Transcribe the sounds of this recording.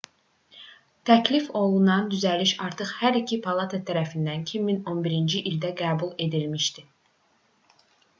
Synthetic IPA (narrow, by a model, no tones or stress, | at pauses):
t̪ʰæcʰlifo̞lˠunɑnd̪yzæliʃɑɾt̪ʰɯχhæɾicʰipʰɑlˠɑt̪ʰæt̪ʰæɾæfind̪æncʰimːino̞nbiɾind͡ʒiʔild̪æɡæːbulˠe̞d̪ilmiʃt̪i